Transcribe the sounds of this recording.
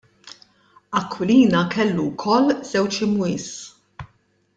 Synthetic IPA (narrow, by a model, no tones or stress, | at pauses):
ɐkʰːwɪliːnɐkɛlːukʰɔlːz̥ɛwt͡ʃɪmʊɪːs